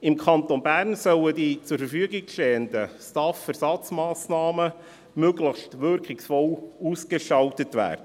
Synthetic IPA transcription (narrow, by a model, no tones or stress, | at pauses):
ɪmkʰɑntonbæːrnsœlədit͡sʊɾfəɾfyəɡɪɡʃtɛːəndəstɑfɛɾsɑt͡smɑːsnɑːmə | møɡləxʃtʋʏɾkɪksfɔluːskəʃɑltətvæ̰ːɾdə